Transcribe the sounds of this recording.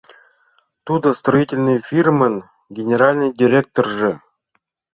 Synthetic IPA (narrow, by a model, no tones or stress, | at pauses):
t̪ud̪ə̆st̪roitʲɪlʲnɨjfʲirmən | ɡʲenʲeɾalʲnɨjdʲiɾʲek̚t̪orʐɘ̆